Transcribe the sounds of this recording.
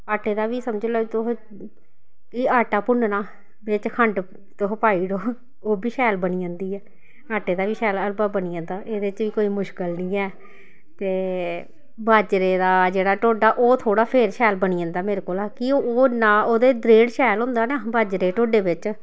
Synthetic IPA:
aːʈeːd̪aːʋiːsəmd͡ʒəlɛt̪ʊɦ | kɪaːʈaːpʊɳnaː | bɪt͡ʃkʰəɳʈ | t̪ʊɦpaːiːɽoː | oːbiːʃɛːlbəniːãːnd̪iːɛː | aːʈeːd̪aːʋiːʃɛːləlbaːbəniːãːnd̪aːʔeːd̪eːɪt͡ʃʋiːkoːiːmʊʃkəlnĩːɛː | t̪eː | baːd͡ʒɾeːd̪aːd͡ʒeːɽaːʈoːɖaːʔoːt̪ʰoːɽaːpʰeːɾʃɛːlbəniːãːnd̪aːmeːɾeːkoːlaːkiooːnaːoːd̪eːd̪ɾeːɽʃɛːlɦʊ̃ːnd̪aːnaːbaːd͡ʒɾeːʈoːɖeːbɪt͡ʃ

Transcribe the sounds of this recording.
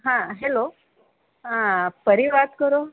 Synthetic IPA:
ɦãɦelo | ãpəɾiʋat̪kəɾo

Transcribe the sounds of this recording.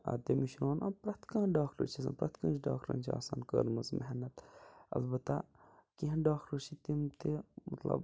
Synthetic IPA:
ɐ̰t̪emiʃɾaːnʔɐpɾɐt̪kãːɖaːkʈə̰ɾt͡ʃʰis̬ɐ̰̃npɾɐt̪kɐ̃ːnt͡ʃʰɖaːk̚ʈɾɐ̰nt͡ʃʰia̰ːsaːnkəɾmɐzmeɦnɐt̪ɐ̰lbɐt̪ːakiɦɐ̃ɖaːkɾəɾt͡ʃʰit̪imt̪emɐt̪lɐ̰b

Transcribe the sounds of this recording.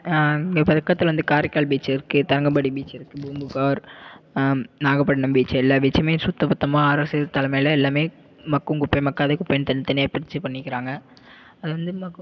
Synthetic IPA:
ɐŋɡeːpɐðɐkːɐt̪ːɪlʋɐnd̪ɯkaːɾɪkːaːɭbiːt͡ʃːɪɾɯkːɯt̪ɐɾɐŋɡɐbɐɽibiːt͡ʃːɪɾɯkːɯbumbɯkaːɾ | naːɣɐpːɐɽɐnɐmbiːt͡ʃːɐɛlːaːbiːt͡ʃːɐmeːsʊt̪ːɐpɐt̪ːɐmãːaːɾɐsɯt̪ɐlɐmɐjlɐɛlːaːmeː | mɐkːɯŋkʊpːɐmɐkːaːðɐkʊpːenːt̪ɐnːt̪ːɐnɪjaːpɪɾɪt͡ʃːɯpɐɳːɪkːɪɾaːŋɡɐ | ɐðɯʋɐnd̪ɯmɐkː

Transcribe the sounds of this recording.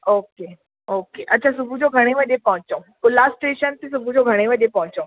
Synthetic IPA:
oke | okeʔətːt͡ɕʰasubʱud͡ʑoɡʱəɽ̃eməd̪ʱːjepə̃ɦũt͡sokulasʈeɕənt̪ĩsubʱud͡ʑoɡʱəɽ̃eməd̪ʱjepãɦũt͡so

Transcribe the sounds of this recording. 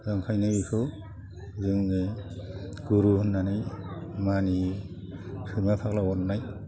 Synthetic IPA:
zaŋkʰajnabikʰɯ | zɯŋne | ɡ̥uɾuhunːanajmani | sɯmapʰaklawɔnːaj

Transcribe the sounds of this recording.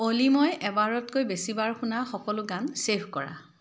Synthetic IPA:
olimɔjʔɛbaɹɔtkojbesibaɹxʰunaxɔkɔlʊɡansepʰkɔɹa̰

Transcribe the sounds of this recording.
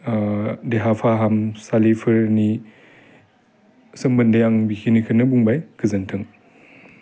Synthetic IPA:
deɦapʰaɦamsalipʰɯɾni | sɯmbɯndejaŋbikʰinikʰɯnɯbuŋbajkʰɯzɐntʰɯŋ

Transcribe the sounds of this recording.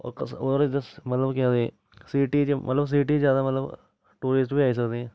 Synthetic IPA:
ɔ̰ːɾkɐsod̪əɾd͡ʒəsmɐt̪ləbkãd̪ẽ | siːʈid͡ʒmʔɐ̰t̪ləbs̬iːʈizjaːd̪amɐt̪ləb | ʈuːɾisʈbʱiaːis̬ɐkd̪eɦɛ̃ː

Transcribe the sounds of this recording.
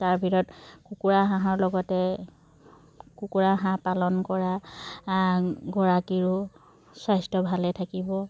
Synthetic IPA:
taɹbʱiɹɔtkukuɹaɦãɦɔɹlɔɡɔtɛ | kukuɹaɦãpalɔnkɔɹa | ɡɔɹakiɹʊ | sajstɔbʱalɛtʰakibɔ

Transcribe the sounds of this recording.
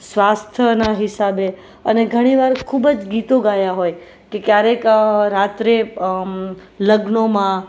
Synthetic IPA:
sʋast̪ʰənaɦɪsabe | əneɡʱəɽ̃iʋaɾkʰubəd͡ʒɡit̪oɡajaɦoj | kekjaɾekɾat̪ɾe | ləɡnomã

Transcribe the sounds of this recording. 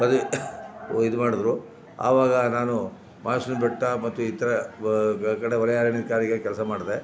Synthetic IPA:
mɐd̪u | id̪umaːɽud̪ɾu | a̰ːʋaːɡɐnaːnu | maːsnubɛʈːɐmɐt̪ːuit̪ɐɾɐ | kɐɽeʋɐɾɐjaːɾɐnid̪kaːɾiɡekɛlsɐmaːɽd̪e

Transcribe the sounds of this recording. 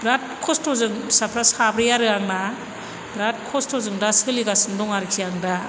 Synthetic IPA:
bɾat̚kʰɔstʰɔzɯŋsapʰɾasabɾijaɾɯaŋna | ɾat̚kʰɔstʰɔzɯŋdasɯliɡasɯndɔŋaɾikʰijaŋda

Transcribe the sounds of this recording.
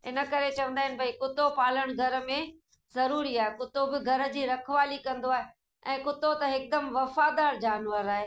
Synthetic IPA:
ɪnə̆kɐɾet͡ɕɐʋə̃nd̪aːɦɪnɪ̆bʱɐikʊt̪opaːl̤əɽ̃ɡʱɐɾə̆mẽ | zɐɾuːɾiaːɦekʊt̪obɪɡʱɐɾə̆d͡ʑiːɾɐkʰʋaːlikɐ̃nd̪oaːɦe | ɛ̃ːkʊt̪ot̪ɐɦɪk̚d̪ɐmʋɐfaːd̪aːɾd͡ʑaːnʋəɾaːɦeː

